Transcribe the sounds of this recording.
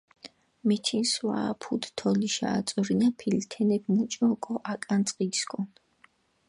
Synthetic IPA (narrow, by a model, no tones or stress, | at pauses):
mɛt̪ʰinswa̰ːpʰud̪t̪ʰɔliʃa̰ːt̪sʼɔɾinapʰilt̪ʰɛnɛbmut͡ʃʼɔkʼɔʔakʼant̪sʼqʼidskʼɔn